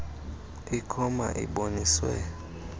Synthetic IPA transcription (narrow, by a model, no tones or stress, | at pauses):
ikʰɔma̰ʔḭɓoniswɛ̰